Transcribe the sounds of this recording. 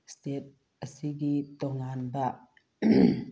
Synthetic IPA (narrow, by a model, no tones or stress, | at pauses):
st̪et̪̚ | ʔəsiɡit̪ɔŋanbaʔ